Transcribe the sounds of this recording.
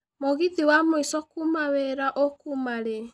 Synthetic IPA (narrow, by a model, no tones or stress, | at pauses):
moɣiðiwamoisɔkumawɛɾaʔɔkumaɾe